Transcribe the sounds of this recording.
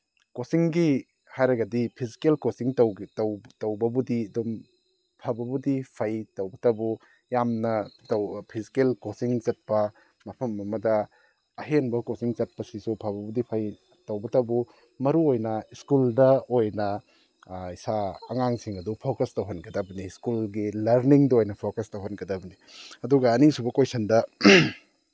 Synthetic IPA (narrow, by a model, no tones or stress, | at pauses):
kosiŋɡi | hajɾɐɡɐdipʰizi̥kelkosiŋtɐwwtɐwbɐbudiɐdum | pʰɐbɐbudipʰɐjtɐwbɐtɐbu | jamnɐtɐwpʰizikelkosiŋt͡ʃɐt̚pɐ | mɐpʰɐmːɐmɐdɐ | ɐɦenbɐkosiŋt͡ʃɐt̚pɐsisupʰabɐbudipʰɐj | tɐwbɐtɐbu | mɐɾuojnɐiskuldɐojnɐ | isaɐŋaŋsiŋɐdupʰokɐstɐwɦɐnɡɐdɐbɐniskulɡilɐɾniŋdɐojnɐpʰokɐstɐwɦɐnɡɐdɐbɐni | ɐduɡɐːnisubɐkojsɐndɐ